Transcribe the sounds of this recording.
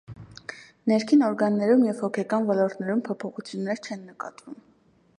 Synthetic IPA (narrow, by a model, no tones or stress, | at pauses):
nɛɾkʰinɔɾɡɑnːɛɾumjɛv̥hɔkʰɛkɑnvɔlɔɾt̪nɛɾumpʰɔpʰɔχut͡sʰjunːɛɾt͡ʃʰɛnːəkɑ̰t̪vum